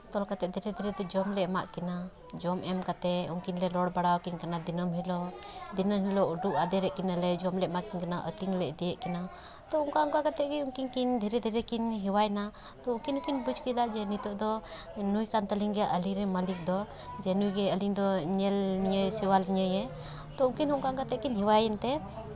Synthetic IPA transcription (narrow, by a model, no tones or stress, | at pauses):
t̪ɔlkat̪ɛʔd̪ʱɛɾɛd̪ʱɛɾɛd̪ɔd͡ʒɔmlɛʔma̰ʔkɛna | d͡ʒɔmʔɛmkat̪ɛuŋkinlɛlɔɽbaɽawkinkanad̪inəmɦilɔ | d̪inɔmɦilɔuɖuʔad̪ɛɾɛʔkinalɛd͡ʒɔmlɛʔmaʔkinkanaʔə̰t̪iŋlɛʔd̪ɛjɛʔkɛna | t̪ɔuŋkauŋkakat̪ɛʔɡɛuŋkiŋkind̪ʱɛɾɛd̪ʱɛɾɛkinɦiwajna | t̪ɔuŋkinukinbud͡ʒkid̪aʔd͡ʒɛnit̪ɔʔd̪ɔ | nujkant̪əliŋɡɛjaʔəliɾɛməlik̚d̪ɔ | d͡ʒɛnujɡɛəliŋd̪ɔɲɛlniɲəjsiwaliɲəjɛ | t̪ɔuŋkinɦɔʔŋkakat̪ɛʔkinɦiwajɛnt̪ɛ